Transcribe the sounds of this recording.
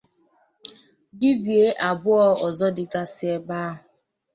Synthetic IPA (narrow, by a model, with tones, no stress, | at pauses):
ɡi˦bi˨e˦ʔa˨bʊ˦ɔ˦ɔ˨zɔ˦dɪ˨ɡa˦sɪ˦e˦ba˦ɦʊ˨